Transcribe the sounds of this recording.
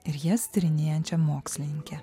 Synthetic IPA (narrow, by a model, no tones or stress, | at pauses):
ɪɾjɛsʲt̪ʲɪɾʲɪnʲeːjɛnʲt͡ʃʲɛmoːksʲlʲɪnʲɪŋʲkʲɛ